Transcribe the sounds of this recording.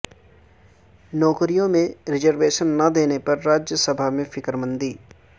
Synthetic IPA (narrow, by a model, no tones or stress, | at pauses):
nɔːkɾijõmẽɾɪzəɾʋeːʃənːɐd̪eːnepɐɾːaːd͡ʒjəsɐbʱamẽfɪkɾmə̃nd̪iː